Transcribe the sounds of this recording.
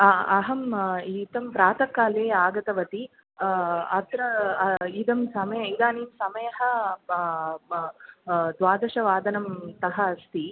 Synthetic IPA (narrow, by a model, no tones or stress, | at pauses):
ɐɦɐmit̪ɐmpɾaːt̪ɐkːaːleːaːɡɐt̪ɐʋɐt̪i | ɐt̪ɾɐid̪ɐmsɐmɐjɐid̪aːniːmsɐmɐjɐɦɐ | d̪ʋaːd̪ɐʃɐʋaːd̪ɐnɐmt̪ɐɦɐst̪i